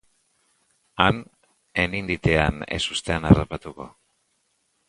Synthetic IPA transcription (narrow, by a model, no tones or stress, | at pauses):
an | e̞nind̪it̪e̞anḛsust̪e̞anarapat̪uko̞̰